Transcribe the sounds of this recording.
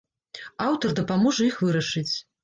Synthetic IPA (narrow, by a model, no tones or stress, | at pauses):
awt̪ɔrd̪ɐpamɔʐɐixvɨɾɐʂɨt͡sʲ